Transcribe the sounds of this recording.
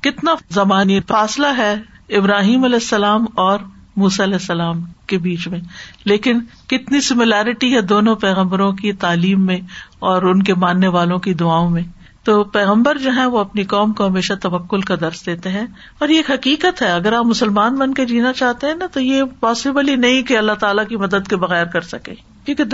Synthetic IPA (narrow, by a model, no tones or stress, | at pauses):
kɪt̪nazɐmaːnifaːslaɦɛ | ɪbɾaːɦiːmɐlɛːsːɐlaːmɔːɾ | muːsaɐlɛːsːɐlaːmkebiːt͡ʃmẽleːkɪn | kɪt̪nisɪmɪlaːɾɪʈiɦɛd̪oːnõpɛːɣə̃mbəɾõkit̪aːliːmːẽɔːɾʊnkemaːnːeʋaːlõkid̪ʊaːõmẽ | t̪oːpɛːɣə̃mbəɾd͡ʒoːɦɛ̃ʋoɐpnikɔːmkoɦɐmeːʃat̪ɐʋɐkːʊlkad̪ɐɾsd̪eːt̪eɦɛ̃ | ɔːɾjeːkɦɐkiːkət̪ɦɛɐɡəɾaːpmʊsəlmaːnbɐnked͡ʒiːnat͡ʃaːɦt̪eɦɛ̃nat̪ojepɔːsɪbəlinɐɦĩkeɐlːaɦt̪aːlakimɐd̪əd̪kebɐɣɛːɾkɐɾsɐkḛ̃ː | kjũːke